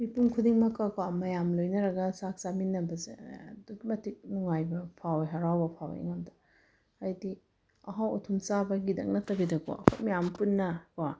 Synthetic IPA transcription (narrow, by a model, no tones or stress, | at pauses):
mipunkʰudiŋmɐkɐkwamɐjamlojnɐɾɐɡɐsak̚saminːɐbɐzḛduɡimɐtʰik̚nuŋajbɐpʰaweɦɐɾawbɐpʰa̰w̰ḛŋamdɐ̥ | ajdi | ɐɦawɔtʰumsabɐɡidɐ̰k̚nɐtɐbidɐko̰ɐ̰kʰomijampunːɐkɔa